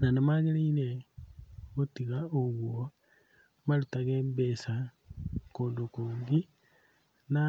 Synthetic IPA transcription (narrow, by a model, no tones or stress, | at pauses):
nanemaɣeɾeine | ɣotiɣaoɣwo | malutaɣeːmbesa | kondokoːŋɡi | na